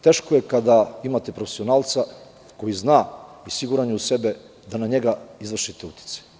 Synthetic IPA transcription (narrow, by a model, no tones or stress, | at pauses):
t̪e̞ːʃkojekad̪aimat̪e̞pɾofesionaːlˠt̪sa | ko̞jiznaːisiɡuɾaɲusebe | d̪anaɲe̞ɡaizʋr̩ʃit̪eut̪i̥t̪se̥